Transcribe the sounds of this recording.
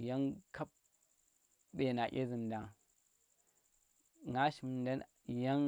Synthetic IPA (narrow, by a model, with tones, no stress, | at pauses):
ja˦ŋka˦p̚ | ɓe˨na˨ʔʲḛ˦zi˨n˨da˨ŋ | ŋa˦ʃi˨m˨nda˦n | ja˦ŋ